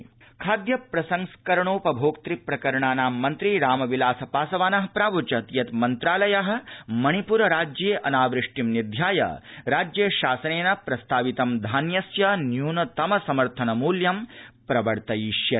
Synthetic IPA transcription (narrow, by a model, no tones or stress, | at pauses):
kʰaːd̪jɐpɾɐsɐŋskɐɾɐɳoːpɐbʱoːkt̪ɾipɾɐkɐɾɐɳaːnaːmːɐnt̪ɾiɾaːmɐʋilaːsɐpaːsɐʋaːnɐɦɐpɾaːʋut͡ʃɐt̪ijɐt̪mɐnt̪ɾaːlɐjɐɦɐ̆mɐɳipuɾɐɾaːd͡ʒjeːʔɐnaːʋɾɪʂʈimnid̪ʱjaːjɐ̰ɾaːd͡ʒjɐʃaːsɐneːnɐpɾɐst̪ʰaːʋit̪ɐmd̪ʱaːnjɐsjɐnjuːnɐt̪ɐmɐsɐmɐɾt̪ʰɐnɐmuːljɐmpɾɐbɐɾt̪ɐjiʃjɐ